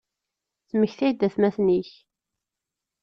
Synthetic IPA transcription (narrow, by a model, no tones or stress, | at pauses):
θməçθæjd̪ːæθmæθniç